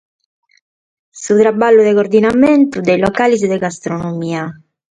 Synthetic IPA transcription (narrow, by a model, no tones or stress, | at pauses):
sut̪ɾabːalːuðɛkoɾd̪inamɛnt̪ud̪elɔkaliz̬ɛd̪ɛɡast̪ɾonomiːa